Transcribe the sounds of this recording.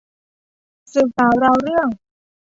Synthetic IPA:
sɨ˨˩kaː˨˦wɾa˧wɾɯ˥˩əŋ

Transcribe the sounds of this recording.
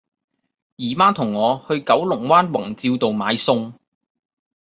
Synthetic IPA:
jiː˨˩maː˥t̪ʰʊ˨˩ŋːɔː˨˧hɵ˧ɥkɐ˨˥wlʊ˨˩ŋwaː˥nwɐ˨˩ŋt͡siː˧wt̪o˨wmaː˨˧jsʊ˧ŋ

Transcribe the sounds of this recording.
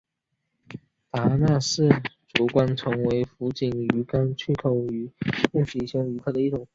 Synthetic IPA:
t̪a˧˥na˥˧ʂɻ̩˥˩ʈ͡ʂu˨˩kwa˥nt͡sʰɤ˧˥ŋwe˧˥ɪfu˧˥t͡ɕi˨˩nyy˧˥ka˥nt͡ɕʰy˥˩kʰo˨˩ʊy˧˥kʊ˥˩ŋɕi˧˩ɕjɑ˥ŋy˧˥kʰɤ˥˩d̪ə˩i˥˩ʈ͡ʂʊ˨˩˦ŋ

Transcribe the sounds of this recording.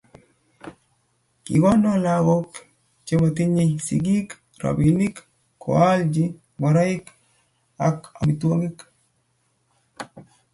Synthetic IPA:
kḭ˨ɡɔ˦ndolaɡo˦k | t͡ʃe˦ma˨ti˦ɲesḭɡi˦k | ɾa̰˨bini˦kː | o̰ald͡ʒi | bo˨ɾa˦ik | aka̰˨mitwo˦ŋik

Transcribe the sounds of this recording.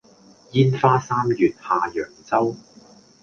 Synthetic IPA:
jiː˥nfaː˥saː˥mjyː˨t̚haː˨jœː˨˩ŋt͡sɐ˥w

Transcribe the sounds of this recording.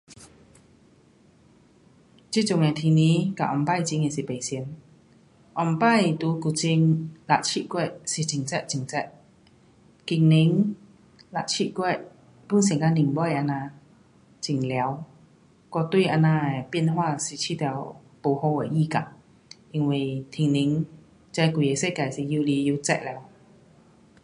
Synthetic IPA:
t͡ɕi˥˨t͡ɕʊ˧˨ŋe˨˩t̪ʰi˧nĩ˧˦ka̰˨ʔɔ˧˩mpa˥˧˨jt͡ɕi˧ŋe˨si˨˩pe˨˩si˧n | ʔɔ˧˩mpa˥˧˨jt̪u˧˦ku˨˩t͡ɕi˧ŋla˨˩ʔ̚t͡ɕʰi˧˥ʔkwɛ˥˩˨ʔsi˨˩t͡ɕi˧˩ŋt͡sɛ˦˧˨ʔ̚t͡ɕi˨˩ŋt͡sɛ˦˧˩ʔ̚ | ki˧˩ŋni˧˦ŋ | la̰˨ʔ̚t͡ɕʰi˧˨kwɛ˥˧˩ʔ | pu˧˥˨nsi˧˦ŋka˧˥ni˧˩ŋbɔ˧˥˨ʔa˧nã˧ | t͡ɕi˨˩ŋlja˨˧˦w | kɔ˧t̪wi˥˧ʔa˧na˧˨˩pi˧˥ə˨nhwaː˥˧si˨˩t͡ɕʰi˧˥t̪jɛ˨˧˩w | po˧˩ho˧e˨˩ʔi˧ka̰˧˨ʔ | ʔi˧ŋwi˨˩t̪ʰi˨˧˩ŋni˨˦ŋ | t͡sa˧jku˨˧˩je˨˧˩se˥˧˨ka˨˩jsi˨˩ju˧li˧ju˧t͡sɛ̰˧ʔlɛ˧˦w

